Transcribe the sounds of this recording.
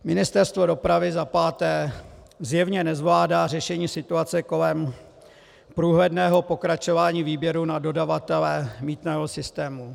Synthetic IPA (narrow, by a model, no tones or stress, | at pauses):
mɪnɪst̪ɛɾst̪vo̞do̞pɾavɪzapaːt̪ɛː | zjɛvɲɛnɛzvlaːdaːr̝ɛʃɛɲiːsɪt̪uat͡sɛko̞lɛm | pɾuːɦlɛdnɛːɦo̞po̞kɾat͡ʃovaːɲiːviːbjɛɾunado̞davat̪ɛlɛmiːt̪nɛːɦosɪst̪ɛːmu